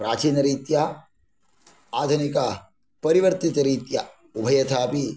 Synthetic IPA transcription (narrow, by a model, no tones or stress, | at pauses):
pɾaːt͡ʃiːnɐɾiːt̪ja | aːd̪ʱɐnika | pɐɾiʋɐɾt̪it̪ɐɾiːt̪ja | ubʱɐjɐt̪ʰaːpi